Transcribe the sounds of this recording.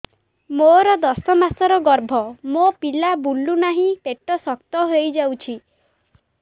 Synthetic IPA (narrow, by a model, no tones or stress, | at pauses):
moɾɔd̪ɔsɔmasɔɾɔɡɔɾbʱɔmopilabulːunaɦĩpeʈɔsɔk̚t̪ɔɦojd͡ʒawt͡ʃʰi